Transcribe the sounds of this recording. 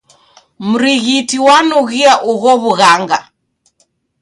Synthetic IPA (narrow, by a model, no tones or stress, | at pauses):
m̩ɾiɣitiwanuɣiaʔuɣɔβuɣaŋɡa